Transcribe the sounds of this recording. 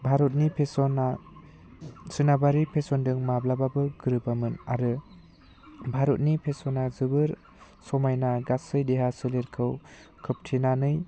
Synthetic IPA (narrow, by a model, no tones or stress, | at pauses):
bʱaɾɔt̚nipʰesɔnːa | sɯnabaɾipʰesɔndɯŋmablababɯɡɯɾɯbamɯna̰ɾɯ | bʱaɾɔt̚nipʰesɔnːazɯbɯɾ | sɔmajnaɡasɯjdeɦasɯleɾkʰɯw | kʰɯp̚tʰinanɯj